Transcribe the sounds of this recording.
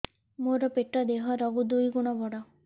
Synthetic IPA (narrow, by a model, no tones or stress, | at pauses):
moɾɔpeʈɔd̪eɦɔɾɔɡud̪ujɡuɽ̃ɔbɔɽɔ